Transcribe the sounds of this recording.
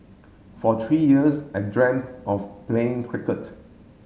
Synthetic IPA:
fɔt̪ʰɹijiəsɛdɹɛ̃mɔfplẽɪ̃ŋkʰwɪkət

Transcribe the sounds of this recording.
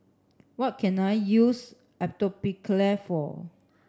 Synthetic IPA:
wɔt̚kʰɛ̃najjus | ɛp̚tɔpiklɛfɔ̰

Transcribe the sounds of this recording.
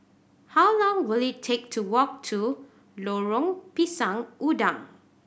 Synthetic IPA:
hawlɔ̃ŋwilitʰek̚tʰuwɔk̚tʰu | loɹɔ̃ŋpisãŋʔudãŋ

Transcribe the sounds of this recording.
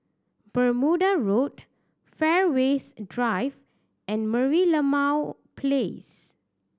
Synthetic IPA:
bəɹmudaɹot̚ | fɛɹwesdɹajv | ɛ̃nməɹiləmaw | pʰles

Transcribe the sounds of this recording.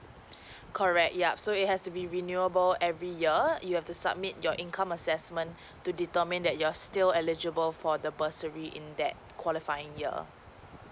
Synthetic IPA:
kʰɔɹɛk̚t̚jap̚soɪt̚hɛstubiɹinjuəbəlɛvɹijiəjuhɛftusa̰b̚mit̚jɔʔĩnkʰãməsɛsmə̃n | tːuditəmĩndɛt̚juastɪlɛlid͡ʒəbəlfɔdəbəsəɹiʔɪ̰̃nd̪ɛ̰t̚kʰwɔlifajɪ̃ŋjḭ

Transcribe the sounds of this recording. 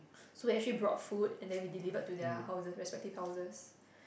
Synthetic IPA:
sodeɛk̚t͡ʃəlibɹɔ̰tfudɛ̃ndɛ̃nwidilivət̚tudɛhaʊzəsɹɛspɛk̚tiv̥haʊzəs

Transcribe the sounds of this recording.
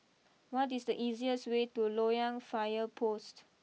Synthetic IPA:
wɔtisdəʔiziəswetulojãŋfajəpʰost

